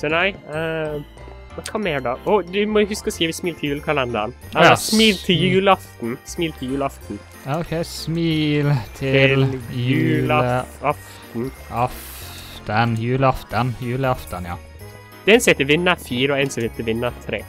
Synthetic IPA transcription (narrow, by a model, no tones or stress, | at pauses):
sɔnæɪə | mɛnkʰɑːmɛæɖɑʔɔd̪ʉmɔjʊhʉskɔsiːəʋɪsmiːlt̪ʰljʉːlkʰɑlɛnd̪ɑnɑlɑsmiːlt̪ʰɪljʉːləɑft̪n̩smiːlt̪ʰɪljʉːlɑft̪n | oʊkʰɛɪsmiːlt̪ʰɪjʉːlɑft̪n̩ | ɑf | t̪ənjʉːlɑft̪ənjʉːləɑft̪ənjɑ̰ː | d̪̥ɛnsɔhet̪əʋɪnːəfiːɾɔɛnsɔhet̪əʋɪnːət̪ʰɾeː